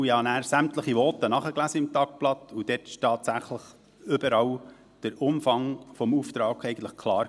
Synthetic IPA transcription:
ɪhɑnæːɾsæmtləχiʋɔt̪ənɑχəklæsəɪmt̪ɑk̚plɑt̪ud̥ɛtɪ̥ʃtɑːtsæχləχ | ʏbəɾɑw | d̥əɾʊmfɑŋfɔmuft̪ɾɑːkɛɪɡən̩tlə̥χkʰlɑːɾ

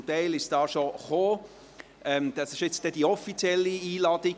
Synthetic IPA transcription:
t̪ɛɪlɪʃsd̥ɑːʃoχoː | ʔɛmd̪̥ɑsɪʃɪt͡std̥ɛd̥iɔfit͡sjɛlːiiːlɑːd̥i

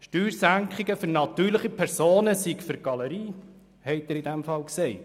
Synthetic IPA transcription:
ʃtyːɾsæŋkχɪɡəfʏɾnɑt̪yːɾləχipʰɛɾsoːnəsikfʏɾɡ̥ɑləɾiː | hɛɪtɪɾɪdæmfɑlksɛɪt

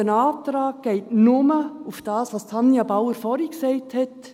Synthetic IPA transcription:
ənɑːtɾɑːk̚ɡ̥ɛɪtnʊməufd̥ɑːsʋɑstʰɑnjɑbawəɾfɔɾiksɛɪthɛt

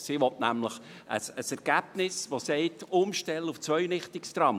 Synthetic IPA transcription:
siʋɔtnæmləχ | ə̰səsɛɾɡ̥æb̥nɪsʋosɛɪtʊmʃtɛləuft͡svœʏɥnɪχtɪkst̪ɾɑm

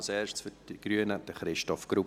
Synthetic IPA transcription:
lsɛːʃtsfyd̥iɡ̥ɾyənəd̥əχɾɪʃtɔfɡ̥ɾup

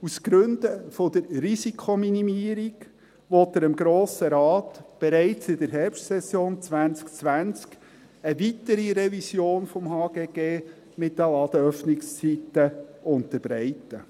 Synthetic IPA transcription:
usɡ̥ɾɵnd̥̪əfɔd̥̪əɾrisikʰχominimiːəɾiɡ | ʋɔtəɾɪmɡɾoːsəɾɑːtb̥ɛɾæɪt͡sɪdəɾɦɛɾpʃtsɛsjoːnt͡sʋænt͡skt͡sʋænt͡sk | əʋitəɾiɾɛvisjoːnfɔmhɑːɡ̥eːɡ̥eː | mɪt̚dəlɑd̪əœfnɪkst͡sitəʊntəɾbɾɛɪtə

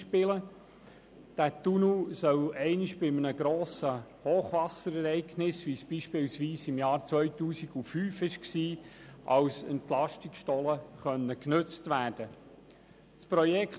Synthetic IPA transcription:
ʃpɪlə | d̥æːtunusœlɛɪnɪʃb̥ɪmənəɡ̥ɾoːsəhoːχʋɑsəɾɛɾɛɪɡnɪsʋisb̥iːʃpɪlsʋiːsɪmjɑːɾt͡sʋœʏtuːsiɡ̥ufyːfɪʃksiːʔɑwsɛ̰ntlɑʃtikʃtɔləχœnːəknɵt͡stʋæːɾd̥ə | spɾɔjɛkχ

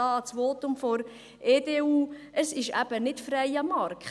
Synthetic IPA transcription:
ɑːt͡sʋoːtʊmfɔɾ | ʔeːdeːuː | əsɪʃæ̰b̥ənɪtfɾæɪəmɑɾkχ

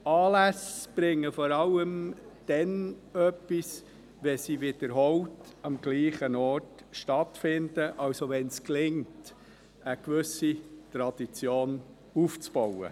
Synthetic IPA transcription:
ɑːlæsb̥ɾɪŋːəfɔːɾɑləmd̥ɛnœpːis | ʋɛsiʋɪd̥əɾɦɔltɑmɡ̥liːχənɔt | ʃtɑtfɪndəʔɑwsoʋɛnsklɪŋt | əkʋʏsitɾɑd̥it͡sjoːn | uːft͡sb̥ɔwə̰

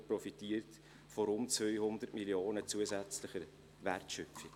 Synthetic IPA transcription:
prɔfitiːəɾt | fɔɾʊnt͡svœʏhʊnd̪əɾtmiljoːnət͡suːəzæt͡slɪχəɾ | vɛrtʃœfɪ

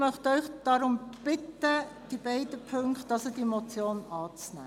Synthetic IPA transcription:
mœχtœʏχd̥ɑɾʊmb̥ɪt̪ːə | d̥ibɛɪdəpʰøŋkt̚ːɑsəd̥imot͡sjoːnɑːt͡snæ̰ː

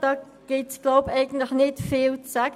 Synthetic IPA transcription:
d̥ɑː | ɡ̥ɪtsɡ̥loʊpɛɪɡən̩tləxnɪtfiːlt͡sæk

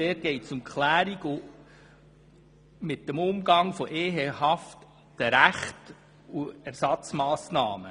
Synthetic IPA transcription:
dɛːt̚ɡ̥ɛɪtt͡sʊmkχlæːɾiɡu | mɪt̚dəmʊmɡɑŋfɔʔeːɦeɦɑft | d̥əɾæχt | uæɾsɑt͡smɑːsnɑːmə

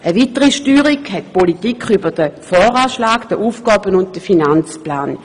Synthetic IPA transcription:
ʔəʋitəʁiʃtyːʁikhɛtpolitikχybəd̥əfɔːʁaːʃlaːkd̥əʔuːfɡ̥ɑːbənʊnt̚d̥əfinant͡splaːn

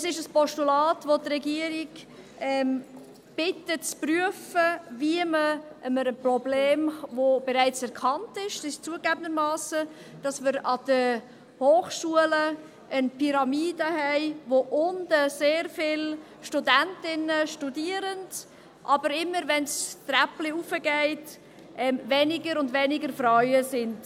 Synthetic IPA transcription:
əsɪʃəspɔʃtulɑːtʋotrɛɡiəɾɪɡ | ɛm | b̥ɪtət͡spryəfəviəməʔəməɾənprɔbleːmvobɛɾaɪt͡sɛɾkʰɑntɪʃdɪʃt͡suəɡæbəndəmɑːsə | d̥ɑsməɾɑd̥ə | hoːχʃuələ | ənpʰiɾɑmiːdəhɛɪvoʔʊnd̥əseːɾfɪl | ʃtudæntɪnəʃtudiːəɾənd | ʔɑbəɾɪmːəɾvɛnstrɛpliufəɡɛɪt | ʔɛmvɛnɪɡəɾʊndvɛnɪɡəɾfɾɔʏəsɪnd̥

